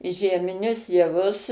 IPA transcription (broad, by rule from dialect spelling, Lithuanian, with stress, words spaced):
ʒʲiɛmʲɪˈnʲʊs jɛˈʋʊs